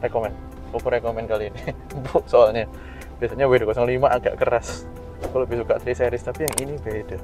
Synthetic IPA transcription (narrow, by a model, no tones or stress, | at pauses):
rekomɛn | kupuɾekomɛnkalini | bʊk̚soalɲa | b̥iasaɲawedakɔsɔŋlimaʔaɡa̰ʔkəɾas | kalubɪhsukaʔt̪ɾiseɾɪst̪apijaŋinibad̥a